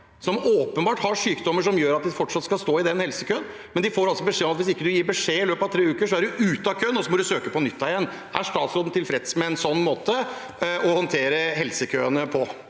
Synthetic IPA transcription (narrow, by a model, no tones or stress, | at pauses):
sɔmoːpənbɑːʈhɑʂyːkd̪ɔmːəʂɔmjøːɾɑt̪d̪ɪfɔʈʂɑt̪skɑlst̪oːɪd̪ɛnhɛlsəkʰøːən | mɛnd̪ɪfoːɾɑlsɔbəʂeːɔmɑt̪ʋɪs̬ɪkːəd̪ʉjiːɾbəʂeːɪløːpɑʋt̪ʰɾeːʉːkəʂɔæɖʉʔʉːt̪ɑkʰøːnɔsɔmɔd̪ʉsøːkəpɔnʏt̪ːɑɪjɛnː | ʔæʂt̪ɑːt̪sɾoːd̪n̩t̪ʰɪlfɾɛd̪smɛɛnsɔnːmoːt̪ə | ʔɔhɔnt̪ʰeːɾəɦɛlsəkʰøːənəpʰɔ